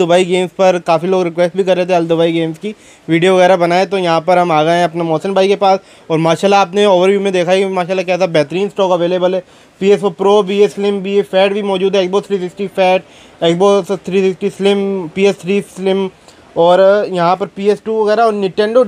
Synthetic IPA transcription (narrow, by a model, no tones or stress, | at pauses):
d̪ʊbaːiɡeːmspɐɾkaːfiloːɡɾɪkʋeːsʈ̚bʱikɐɾːeɦt̪eɛɐld̪ʊbaːiɡeːmski | ʋiːɖijoʋɐɣɛːɾabɐnaːẽt̪ojɐɦãpɐɾɦɐmaːɡaẽɐpnamɔːsənbʱaːikepaːs | ɔːɾmaːʃaːlːaaːpneoːʋəɾʋjuːmẽd̪eːkʰaɛkimaːʃaːlːakɛːsabɛːt̪ɾiːnsʈɔːkɐʋeːleːbəlɛː | piːesopɾoːbiːeslɪmbiːefɛːʈbʱimɔːd͡ʒuːd̪ɦɛːksboːst̪ʰɾiːs̬ɪksʈifɛːʈ | eksbɔːst̪ʰɾiːsɪksʈiːslɪmpiːɛst̪ʰɾiːsslɪm | ɔːɾjɐɦãpɐɾpiːesʈuːʋɐɣɛːɾaɔːɾnɪ̃ʈẽːɳɖo